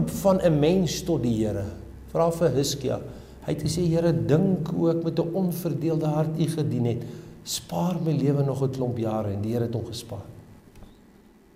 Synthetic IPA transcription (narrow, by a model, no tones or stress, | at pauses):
upfɐnʔəmɛnstɔt̚diɦiəɾə | fəɾɐlˠfəɦəskiɑ̰ | hɛjtχəseɦiəɾədəŋkuəkmɛtəʔɔnfərdiəlˠdəɦɐrtiχədinɦɛtspɑːrməjliəvənɔχətlɔmpjɑːɾəɛndiɦəɾəɛtɔmχəspɑːr